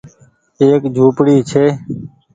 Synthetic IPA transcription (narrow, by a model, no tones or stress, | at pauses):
eːkd͡ʒʱuːpɽiːt͡ʃʰeː